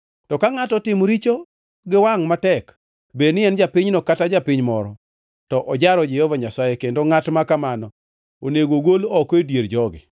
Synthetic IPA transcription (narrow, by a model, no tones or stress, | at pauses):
tɔkaŋatɔtɪmɾit͡ʃo | ɡɪwaŋmatɛk | benɪɛnd͡ʒapɪɲnɔkatad͡ʒapɪɲmɔɾɔ | tɔʔɔd͡ʒaɾɔd͡ʒɪjɔvaɲasajekendoŋatmakamanɔ | oneɡoɡolɔkedjeɾd͡ʒɔɡɪ̰